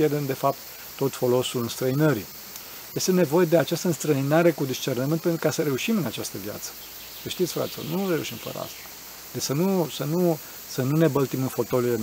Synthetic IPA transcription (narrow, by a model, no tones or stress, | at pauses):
jerd̪emd̪e̞fap̚t̪ː | o̞t̪fo̞lo̞sulɨnst̪ɾəinəɾḭ | je̞st̪e̞ne̞vo̞je̞d̪eat͡ʃast̪əɨnst̪ɾəinaɾe̞kud̪ist͡ʃe̞rnəmɨnt̪penɾukasəɾe̞uʃimɨnat͡ʃast̪əvja̰t̪sə̥ | səʃt̪it̪sʲfɾa̰t̪so̰nure̞uʃimfə̰ɾə̰a̰st̪ḁ | d̪esənusənu | sənune̞bəlt̪imɨnfo̞t̪o̞lile